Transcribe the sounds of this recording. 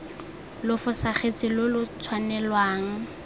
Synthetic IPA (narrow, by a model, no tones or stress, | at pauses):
lʊfʊsaχet͡sʼɪlʊlʊt͡sʰwanɛlwaːŋ̩